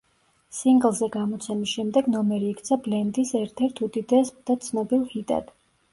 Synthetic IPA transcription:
siŋɡlˠzɛɡamɔt̪sʰɛmisʃɛmd̪ɛɡnɔmɛɾiːkʰt̪sʰablɛnd̪isɛɾt̪ʰɛɾt̪ʰud̪id̪ɛsd̪at̪sʰnɔbilˠhit̪ʼa̰d̪̥

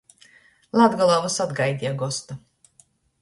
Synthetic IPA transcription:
lˠad̪ɡalˠavusad̪ɡajd̪ʲiaɡɔst̪a

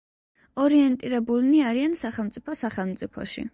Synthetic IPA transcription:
ɔɾiɛnt̪ʼiɾɛbulniaɾiansaχɛlˠmt̪sʼipʰɔsaχɛlˠmt̪sʼipʰɔ̰ʃḭ

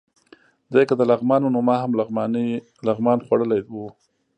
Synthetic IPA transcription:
d̪ajkad̪əlaɣmɑnonʊmɑɦamlaɣmn | laɣmɑnxwaɽəlaj̪wu

